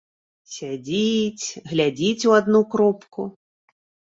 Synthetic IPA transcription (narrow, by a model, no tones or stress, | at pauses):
sʲad͡zʲit͡sʲɣlʲad͡zʲit͡sʲuad̪nukɾɔpku